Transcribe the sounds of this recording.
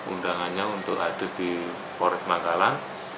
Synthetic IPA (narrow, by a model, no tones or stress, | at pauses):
undaŋanɲaunt̪ʊka̰d̥ʊ̤sd̪̥i | pɔɾɛsmaŋɡalan